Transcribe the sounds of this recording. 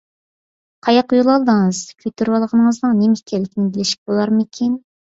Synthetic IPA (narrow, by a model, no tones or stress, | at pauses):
qʰɑjɑqujulˠɑlˠd̪əŋəz̥kʲʰøt̪ʰyɾwɑlˠʁənəŋəznɨŋnemekʲʰɛlːɪkʲinɪbɪlɪʃi̥k̚ʲbolˠɑɾmɨkʲʰen